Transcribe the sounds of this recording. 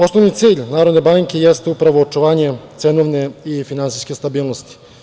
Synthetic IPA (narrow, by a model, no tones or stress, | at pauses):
o̞snoʋnit̪siːʎnaːɾod̪ne̞baŋke̞jest̪upɾaʋoːt͡ʃuʋaːɲe̞t̪senoʋne̞ifinansijske̞st̪abiːlˠnost̪i̥